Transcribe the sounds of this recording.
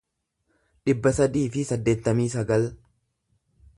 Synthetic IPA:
ᶑɪbːɐsɐd̪iːfɪsɐd̪ːe̞ːt̪ːɐmiːsɐɡɐl

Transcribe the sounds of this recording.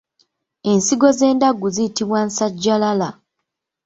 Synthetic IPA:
e̞nsiɡo̞ze̞ːndaɡuzijitiβwansaɟːalala

